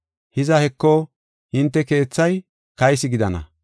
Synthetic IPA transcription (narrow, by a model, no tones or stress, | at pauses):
hɪzɐhɛkːɔ | hɪnt̪ːɛke̞ːt͡sːɐj | kɐjsɪɡɪd̪ɐnɐ̰